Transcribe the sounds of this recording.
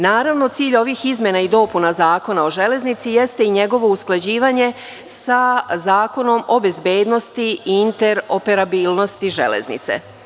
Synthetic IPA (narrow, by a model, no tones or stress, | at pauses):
naːɾaʋno̞t̪siːʎo̞ʋixizmʲje̞naid̪o̞punazaːko̞nao̞ʒe̞le̞znit̪sije̞st̪e̞iɲeɡo̞ʋo̞usklˠad͡ʑiːʋaːɲe̞ | sazaːko̞no̞mo̞be̞zbe̞ːd̪no̞st̪iːnt̪e̞ɾope̞ɾabiːlˠno̞st̪iʒḛlḛznḭt̪sḛ